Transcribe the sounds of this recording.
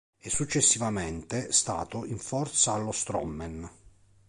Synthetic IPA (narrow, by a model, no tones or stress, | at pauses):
ɛsːut͡ʃːesːivament̪est̪a̰ːt̪oiɱfɔrt̪saːlːost̪ɾɔ̰mːɛn